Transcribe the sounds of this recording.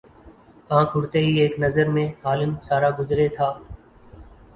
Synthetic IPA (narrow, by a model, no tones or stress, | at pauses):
ãːkʰʊɽt̪eːɦiːeːknəzəɾmẽːɦaːlɪmsaːɾaːɡʊzɾeːt̪ʰaː